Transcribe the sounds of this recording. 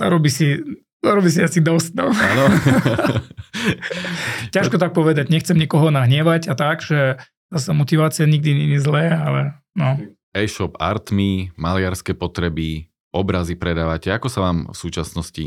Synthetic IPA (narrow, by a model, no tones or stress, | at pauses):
a̰ɾɔbisi | aɾɔbiːs̬iasid̪ɔst̪̚nɔanɔ | caʃkɔt̪ak̚pɔʋɛd̪aɟɲɛxt͡sɛmɲikɔɦɔnaɦɲɪɛʋaɟat̪aɡʒɛ | zasamɔt̪iʋaːt͡sɪaɲiɡ̚d̪iɲɛɲizlɛːalɛ | nɔ | ɛʃɔpa̰ɾt̪mimalɪaɾskɛːpɔt̪ɾɛbi | ɔbɾazipɾɛd̪aːʋacɛakɔsaʋaːmfsuːt͡ʃasnɔscḭ